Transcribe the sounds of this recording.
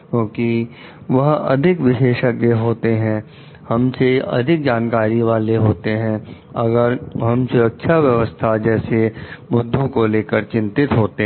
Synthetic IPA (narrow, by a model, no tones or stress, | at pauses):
kjõːki | ʋɐɦɐ̰d̪ʱɪkʋɪʃeːʃəkjəɦoːt̪eɦɛ̃ | hɐmseɐ̰d̪ʱɪk̚d͡ʒaːnkaːɾiʋaːleɦoːt̪eɦɛ̃ | ɐɡəɾɦɐmsʊɾəkʃʰaʋjɐʋəst̪ʰad͡ʒɛːsemʊd̪ʱːõkoleːkəɾt͡ʃɪ̃nt̪ɪt̪ɦoːt̪e